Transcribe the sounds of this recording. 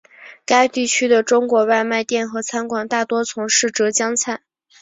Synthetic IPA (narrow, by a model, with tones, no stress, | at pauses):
ka˥ɪt̪i˥˩t͡ɕʰy˥d̪ə˨ʈ͡ʂʊ˥ŋkwɔ˧˥wa˥˧ɪma˥˧ɪt̪jɛ˥˩nxɤ˧˥t͡sʰa˥nkwa˨˩ŋt̪a˥˩t̪wɔ˥t͡sʰʊ˧˥ŋʂɻ̩˥˩ʈ͡ʂɤ˧˥t͡ɕjɑ˥ŋt͡sʰa˥˩n